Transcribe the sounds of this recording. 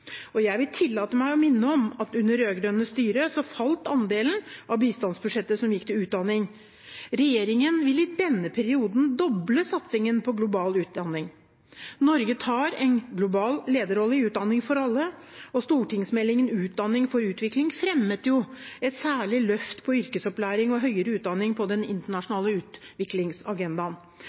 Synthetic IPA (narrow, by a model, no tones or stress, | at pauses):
ɔjæɪʋɪlt̪ʰɪlːɑːt̪əmæɪɔmɪnːəɔmɑt̪ʉnːəɾøːɡɾœnːəst̪yːɾəsɔfɑlt̪ɑnd̪eːlən̩ɑʋbiːst̪ɑnsbʉʂɛt̪ːəsɔmjɪkːt̪ɪlʉːt̪̚d̪ɑnːɪŋ | ɾɛjeːɾɪŋənʋɪlɪd̪ɛnːəpʰæɾɪuːd̪n̩d̪ɔbləsɑt̪sɪŋənpʰɔɡlʊbɑːlʉːt̪̚d̪ɑnːɪŋ | nɔɾɡət̪ʰɑːɾɛɪnɡlʊbɑːlleːd̪əɾɔlːɪʉːt̪̚d̪ɑnːɪŋfɔɾɑlːəɔst̪uːʈʰɪŋsmɛlːɪŋənʉːt̪̚d̪ɑnːɪŋfɔɾʉːt̪ʋɪklɪŋfɾɛmːət̪jʊɛt̪sæːɭɪlœft̪pʰɔʏɾkəsɔplæːɾɪŋɔɦœʏəɾəʉːt̪̚d̪ɑnːɪŋpʰɔd̪ɛnɪ̰nt̪əɳɑʂʊnɑːləʉːt̪ʋɪklɪŋsɑɡɛnd̪ɑn